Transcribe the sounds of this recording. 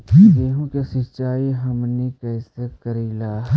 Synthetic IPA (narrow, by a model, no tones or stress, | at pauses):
eːɦũkasɪt͡ʃaːiɦɐmnikɛːsekəɾiːlaː